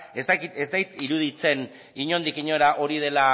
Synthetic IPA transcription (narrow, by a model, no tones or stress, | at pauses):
est̪akit̪ezt̪akit̪iɾuðit͡se̞n | iɲo̞nd̪ikiɲo̞ɾaʔo̞ɾiðe̞la